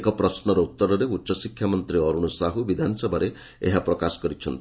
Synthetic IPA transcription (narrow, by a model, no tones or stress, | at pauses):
kɔpɾɔsnɔɾɔut̪ːɔɾɔɾeutːʃɔsikʰjamɔnt̪ɾiɔɾuɽ̃ɔsaɦubid̪ʱanɔsɔbʱaɾe | eɦapɾɔkasɔ̥kɔɾit͡ʃʰɔnt̪